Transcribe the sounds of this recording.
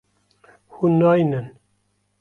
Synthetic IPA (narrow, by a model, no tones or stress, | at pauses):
hunɑːjnɨn